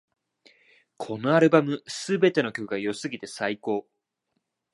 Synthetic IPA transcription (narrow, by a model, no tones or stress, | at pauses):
kʰo̞no̞aɾɯ̟bamɯ̟sɨbe̞t̪e̞no̞kʲo̞kɯ̟ɡajo̞sɨɡʲit̪e̞saiko̞ː